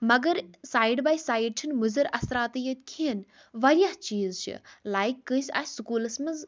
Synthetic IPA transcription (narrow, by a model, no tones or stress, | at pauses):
mɐɡɐɾsaːjɖbaːjsaːjɖ̚ʈʰinmuzɐɾɐsɾaːt̪jɐt̪ʲkʰin | ʋɐɾijaht͡ʃiːzt͡ʃʰɨ̰laːjkːɨ̃sʲa̰ːsukuːlɐsmɐz